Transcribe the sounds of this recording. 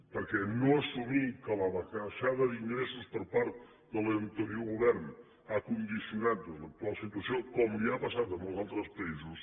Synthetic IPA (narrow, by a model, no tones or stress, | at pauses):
pəɾkɛnoəsumikələβəkaʃaðəðiŋɡɾesuspəɾpaɾt̪ | d̪ələnt̪əɾioɣuβɛɾn | akund̪isiunat̪ləb̪əlsit̪uəsiokɔmliapəsat̪əməlˠzalˠt̪ɾəspəizus